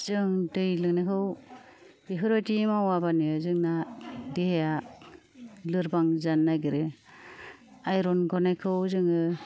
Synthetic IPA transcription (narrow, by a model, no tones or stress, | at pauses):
z̥ɯŋdɯjlɯŋnajkʰɯw | biɦɯɾɔtimawabaniɯzɯŋnadeheja | lɯɾbaŋzanːajɡɯɾe | ajɾɔnɡɔnajkʰɯwzɯŋɯ